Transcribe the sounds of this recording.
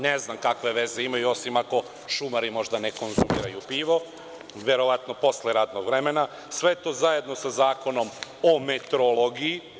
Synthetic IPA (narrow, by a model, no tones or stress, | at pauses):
neznamkakʋe̞ʋe̞zeimajuo̞simako̞ | ʃumaɾimo̞ʒd̪ane̞ko̞nzumḭːɾajupiːʋo̞ | ʋeɾo̞ʋat̪no̞po̞sleɾat̪no̞ɡʋɾemena | sʋe̞et̪o̞ːzaje̞d̪no̞sazaːko̞no̞momet̪ɾoloɡii